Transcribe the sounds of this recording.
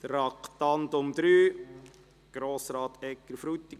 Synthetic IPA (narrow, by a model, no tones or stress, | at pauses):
d̪̥əɾɑkt̪ɑnt̪ʊmd̪ɾyː | ɡ̥ɾoːsɾɑːt̪ɛkːəɾfɾut̪ːi